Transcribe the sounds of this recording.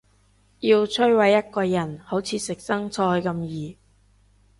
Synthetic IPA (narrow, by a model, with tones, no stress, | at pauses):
jiː˧wt͡sʰɵ˥jwɐ˨˧jːɐ˥t̚kɔː˧jɐ˨˩nho˨˥wt͡sʰiː˨˧sɪ˨k̚sɐ˥ŋt͡sʰɔː˧jkɐ˧mjiː˨˩